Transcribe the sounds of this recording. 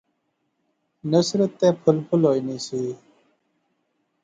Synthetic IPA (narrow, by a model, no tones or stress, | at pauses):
nəsɾət̪ːeːpʰʊlpʰʊlɦoːiːniːsiː